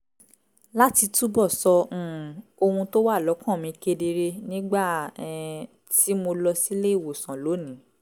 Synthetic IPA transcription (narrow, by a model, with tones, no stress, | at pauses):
la˦ti˧tu˦bɔ˦˨sɔ̃˧˨o˧hũ˧to˦wa˦˨lɔ˨˦kã˦˨mĩ˨˧ke˧de˧ɾe˧nĩ˦ɡ͡ba˦˨˧ | ti˨˦mo˧lɔ˧si˦le˦i˦˨wo˨sã˨lo˨˦nĩ˨˦